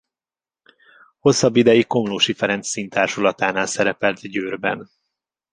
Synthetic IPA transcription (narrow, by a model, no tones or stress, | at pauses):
ho̞sːɒbːid̪ɛjiko̞mloːʃifɛɾɛnsːint̪aːrʃulɒt̪aːnaːlsɛɾɛpɛlt̪ɟøːrbɛ̰n